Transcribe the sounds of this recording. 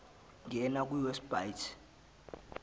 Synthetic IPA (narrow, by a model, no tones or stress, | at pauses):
ŋɛnak̬ʼwuwɛsb̥ajtʰ